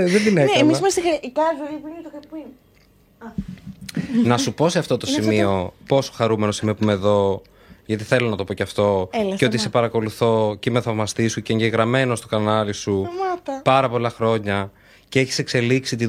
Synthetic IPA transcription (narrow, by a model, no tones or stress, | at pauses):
ðed̪ineenisimɐst̪ixɐɾicɐzoiplt̪okɐpi | nɐsupo̞se̞ɐft̪o̞t̪o̞simio̞po̞so̥xɐɾume̞no̞simiopuimeðo̞ | ʝɐt̪iθe̞lo̞nɐt̪o̞po̞ceɐft̪o̞elceot̪isepɐɾɐko̞luθo̞cemeθɐvmɐst̪isuceːɲɟe̞ɣɾɐme̞no̞st̪okɐnɐlisumɐt̪ɐpɐɾɐpo̞lɐxɾo̞ɲɐ | ceeçi̥se̞kse̞liksit̪i